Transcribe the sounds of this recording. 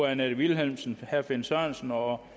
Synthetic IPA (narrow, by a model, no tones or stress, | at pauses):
ænæd̥ʋilɦelmsn̩hæɐfensɑːnsn̩ɒ